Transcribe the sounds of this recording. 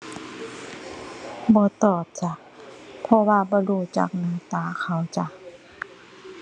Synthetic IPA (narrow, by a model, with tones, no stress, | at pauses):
bɔː˧˦t̪ɔː˧˨˩p̚t͡ɕa˧˨ | pʰɔ˧waː˧bɔː˧˦luː˧˩t͡ɕa̰˧˩k̚nɯː˧˦t̪aː˧˩˨xʰa˧˩wt͡ɕa˧